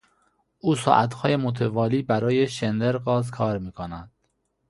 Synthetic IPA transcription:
ʔuːsɒ̰ːʔæt̪hɒːje̞mot̪ʰevɒːliːbæɾɒːjeʃend̪eɾɢɒːzkʰɒːɾmiːkʰonæd̪̥

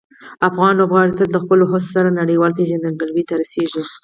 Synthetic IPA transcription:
afɣɑnlobɣɑɽit̪aəxpəloɦossaɾanaɽəjwɑlpeʒand̪əɡəlwit̪aɾaseʒi

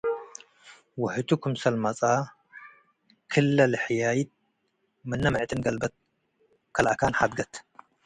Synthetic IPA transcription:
wʊħɨt̪ʰukʰumsɐlmɐt͡sʼa | kʰɨlːɐlħjajit̪̚ | mɨnːɐmɨʕt̪ʼɨnɡɐlbɐt̪̚ | kʰɐlʔakʰanħad̪̚ɡɐt̪

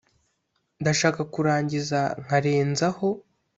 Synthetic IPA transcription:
ndaʃaːkakuɾaːɲɟizaŋ̥aɾe̞ːnzaho̞

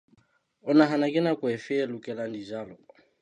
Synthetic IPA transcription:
ɔnaɦanakɛnakuɛfɛɛlukɛlandizalɔ

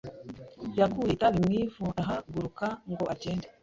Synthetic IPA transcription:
jakuitaβimŋiːvuaɦaɡuɾukaŋɡo̞ʔaceːnde

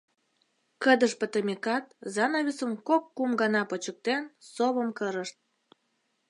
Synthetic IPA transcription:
kəd̪əʃpət̪əmekɑt̪̚zɑnɑβʲisəmkokːumɡɑnɑpət͡ɕək̚t̪ensoβəmkəɾəʃt̪̚

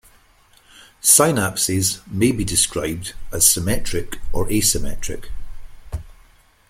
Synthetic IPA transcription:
saɪnapsɪzmebidɪskɹaɪb̚dəz̥sɪmɛt͡ʃɹ̥ɪkʔə˞ʔesɪmɛ̰ʔɹ̥ɪ̰k

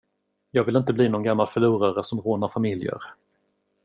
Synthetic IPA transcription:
jɑːɡvɪlɪnt̪əbliːnɔnɡamːalfœɭuːɾaɾəsɔmɾoːnaɾfamɪljə̰ɾ

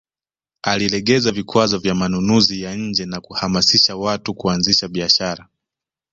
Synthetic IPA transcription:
alilɛɠɛzavikwazɔvjamanunuzijaɲ̩d͡ʒɛnakuhamasiʃawatukuanziʃaɓiaʃaɾa

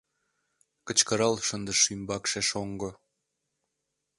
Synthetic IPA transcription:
kə̆t͡ɕkəɾɑlʃənd̪əʃymbɑkʃeʃoŋɡŏ

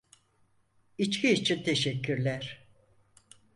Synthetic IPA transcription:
it͡ʃkcʰiit͡ʃʰint̪ʰeʃɛcʰːyɾlʲæɾ̥

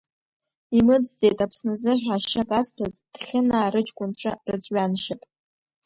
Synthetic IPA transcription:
imɨd͡zd͡ze̞jtʼapʰsnɨzɨħᶣaʃakʼastʰazd̥χʲɪnaːɾɨt͡ʃʼkʷʼʊnt͡ɕʷʰarɨd͡zʷʼɥanʃapʼ

